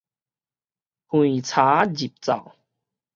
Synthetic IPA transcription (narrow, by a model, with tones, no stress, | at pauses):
hw̃ĩ˨t͡sʰa˨˦d͡ʑi˨˩p̚t͡sa̰˨˩w